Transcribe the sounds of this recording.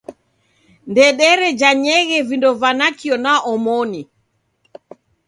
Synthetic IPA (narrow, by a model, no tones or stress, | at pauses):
ndɛɗɛɾɛd͡ʒaɲɛɣɛvindɔvanakiɔnaʔɔmoni